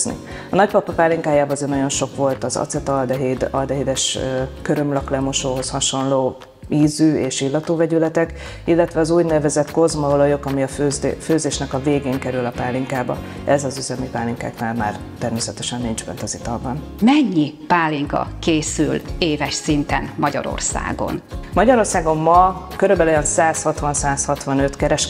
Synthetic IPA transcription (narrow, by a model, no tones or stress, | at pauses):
znḭ | ɒnɒcpɒpɒpaːlːiŋkaːjaːbɒzenɒjo̞nʃo̞kʋo̞lt̪ɒzɒ̰t̪sɛt̪ɒld̪ɛɦed̪ɒld̪ɛɦid̪ɛʃøkøɾømlɒklɛmo̞ʃoːɦo̞shɒʃo̞nloː | iːzyːeːʃilːɒt̪uːvɛɟylɛt̪ɛk | ilːɛt̪ʋɛɒzuːɟnɛvɛzɛt̪ko̞zmɒolojo̞kɒmiɒføzføːzeːʃnɛkɒveːɡeːŋkɛɾylɒpaːlːiŋkaːbɒ̰ | ɛzɒzyzɛmipaːlːiŋka̰ːknaːlma̰ːrt̪ɛrmeːsɛt̪ɛʃɛnːind͡ʒbɛ̰nt̪ɒzit̪ɒlbɒn | mɛɲːipaːlːiŋkɒ̰keːsyleːvɛʃsint̪ɛ̰nmɒɟɒ̰ɾo̰rsa̰ːɡo̞̰nmɒɟɒɾo̞rsaːɡo̞mːɒkøɾøbɛlo̞jɒnsaːshɒt̪ʋɒnsaːshɒt̪ʋɒnø̞t̪kɛɾɛʃ